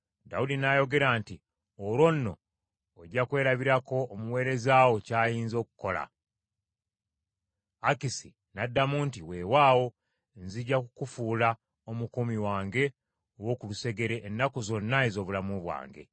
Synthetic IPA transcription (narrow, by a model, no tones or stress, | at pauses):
daudinajo̞ɡe̞ɾaːnti | oɾwo̞nːo̞̰ː | ɟːakwe̞ːɾaβiɾako̞ːmuwe̞ːɾe̞zaːwo̞caːjiːnzo̞ːku̥ko̞la̰ | kisi | nadːamuntiwe̞ːwaːwo̞ | nziɟakukufuːla | omukomiwaːŋɡe̞ | owo̞ːkuluse̞ɡe̞ɾeʔːnːakozo̞nːaezo̞ːβulamuβwa̰ːŋɡe̞̰